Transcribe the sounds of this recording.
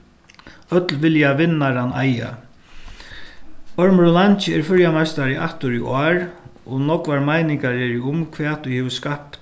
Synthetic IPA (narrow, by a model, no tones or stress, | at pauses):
œt̪lʋɪljaʋɪnːaɾanaja̰ | ɔɹmɾʊlant͡ʃɪɛɾfʏɹjamast̪aɾɪʔa̰ht̪ʊɾiʔɔːɹɔnɔkʋaɹmajnɪŋkaɹɛɾɪʊmkʰvɛːt̪ʰʊjhɛːvskaptt̪